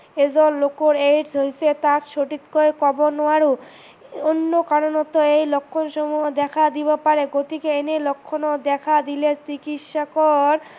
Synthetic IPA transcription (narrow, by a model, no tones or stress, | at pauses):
ed͡ʑɔllokoɾeɖsɦojsʰet̪akʃoʈit̪koekɔbonoaɾo | onːokaɾonɔt̪ːoejlokʰːonʃɔmued̪ɛkʰad̪ibapaɾeɡot̪ikeenelokʰːonod̪ɛkʰad̪ilet͡ɕikit̪ʃakoɾ